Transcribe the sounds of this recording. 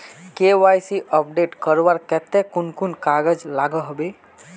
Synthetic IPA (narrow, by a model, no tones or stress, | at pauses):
kewajsiʔəp̚ɖeʈkəɾbaɾket̪ekunkunkaɡəd͡ʒlaɡəɦbe